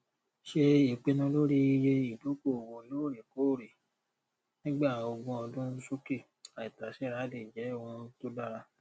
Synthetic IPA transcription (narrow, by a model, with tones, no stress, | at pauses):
ʃe˧i˨k͡pe˧nũ˧lo˦ɾi˦i˧˦je˧i˨do˨˦ko˦˨wõ˧˦lo˦˨ɾe˨ko˨˦˨ɾe˨ | nĩ˦ɡ͡ba˦˨o˧ɡũ˧ɔ˧dũ˦so˦ki˦˨ | a˨i˨ta˨ʃɛ˨˦˨ɾa˨˦de˨d͡ʒɛ˨˦o˧hũ˧to˦da˦ɾa˧